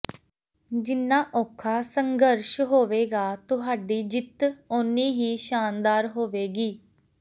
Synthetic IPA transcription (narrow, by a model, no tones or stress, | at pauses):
d͡ʒɪnːãːʔɔːkʰaːsəŋɡəɾʃɦoːʋeːɡaːt̪ʊɦaːɖiːd͡ʒɪt̪ʊniːɦiːʃaːnd̪aːɾɦoːʋeːɡiː